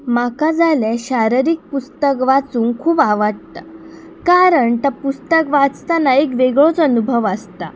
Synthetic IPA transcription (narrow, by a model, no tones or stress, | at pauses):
makad͡zaleɕaɾɾik̚pust̪əkʋat͡suːnkʰuːbaʋaʈ̚t̪ə | kaɾəɳt̪apust̪əkʋat͡st̪anaekʋeɡɭot͡sənubʱəʋəst̪a̰